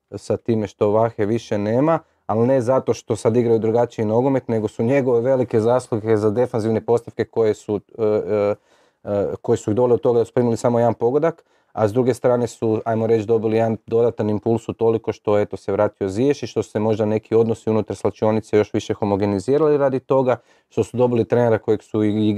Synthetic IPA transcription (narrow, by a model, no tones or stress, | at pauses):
sat̪iːme̞ʃt̪o̞ʋaxeʋiʃe̞ne̞ːma | alne̞zat̪o̞ʃt̪o̞sad̪iɡɾajud̪ɾuɡat͡ʃiino̞ɡo̞me̞t̪ne̞ɡo̞suɲe̞ɡo̞ʋeʋe̞like̞zaːslˠuɡe̞zad̪e̞fanziʋne̞po̞st̪aʋke̞ko̞jesu | ko̞jesuiɣd̪o̞leot̪t̪o̞ɡad̪asu̥pɾiːmilisamo̞jed̪anpo̞ɡod̪ak | a̰zd̪ɾuɡe̞st̪ɾaːne̞suajmo̞ɾe̞t͡ʃd̪o̞bilijeand̪o̞d̪at̪animpulˠsut̪o̞liko̞ʃt̪o̞et̪o̞se̞ʋɾaːt̪io̞zjeʃiʃt̪o̞su̥se̞mo̞ʒd̪ane̞kʰio̞d̪no̞siunut̪aɾslat͡ʃo̞nit̪sejo̞ʃʋiʃe̞xo̞mo̞ɡe̞niziːɾaliɾad̪it̪o̞ɡa | ʃt̪o̞sud̪o̞bilit̪ɾeneɾako̞jeksuii